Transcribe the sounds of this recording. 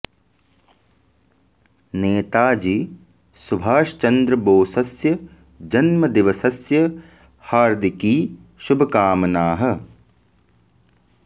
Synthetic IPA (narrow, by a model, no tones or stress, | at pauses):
neːt̪aːd͡ʒi | subʱaːʃt͡ʃɐnd̪ɾɐboːsɐsjɐ | d͡ʒɐnmɐd̪iʋɐsɐsjɐ | haːɾd̪ikiː | ʃubʱɐkaːmɐnaːɦɐ̆